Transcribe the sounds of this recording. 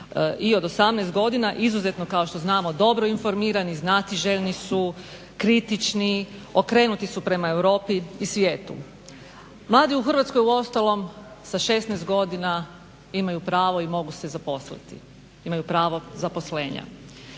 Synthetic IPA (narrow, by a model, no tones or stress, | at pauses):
ʔio̞d̪o̞samnɛːst̪ɡo̞d̪inaʔizuze̞t̪no̞kaoʃt̪o̞znaːmo̞d̪o̞bɾoinfo̞ɾmiːɾaniznat̪iʒeʎnisu | kɾit̪it͡ʃnio̞kɾe̞ːnut̪isupɾe̞maewɾo̞ːpiːsʋje̞ːt̪ṵ | mlˠaːd̪iuxər̩ʋat̪skojuo̞st̪alo̞msaʃe̞st̪nɛst̪̚ɡo̞d̪ina | imajupɾaːʋo̞imo̞ɡusezapo̞slḭt̪ḭ | imajupɾaːʋo̞zapo̞sle̞ːɲa̰